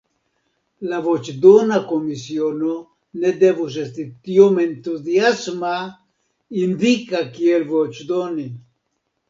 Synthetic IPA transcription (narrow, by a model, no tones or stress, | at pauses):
lavot͡ʃd̪onakomisjono | ned̪evus̬est̪it̪joment̪uðjasma | ind̪ikakielvot͡ʃd̪oni